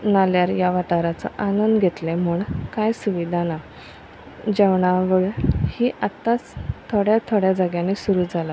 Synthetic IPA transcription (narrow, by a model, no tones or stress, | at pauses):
naljaɾjaʋaʈaɾat͡sə̰ʔanənd̪ɡʱet̪lemuːɳkajsuʋid̪ʱana | d͡ʑeʋɳaʋəɭhiːʔat̪ːat͡st̪ʰoɽjat̪ʰoɽjad͡zəɡjãnesuɾuːd͡zʱala